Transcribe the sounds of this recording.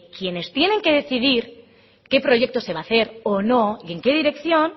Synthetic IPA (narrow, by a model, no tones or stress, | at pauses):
kje̞ne̞st̪je̞nẽ̞ŋke̞ð̞e̞θið̞iɾ | ke̞pɾo̞ʝe̞k̚t̪o̞se̞β̞aθe̞ɾono̞ie̞ŋke̞ðiɾe̞kθjo̞n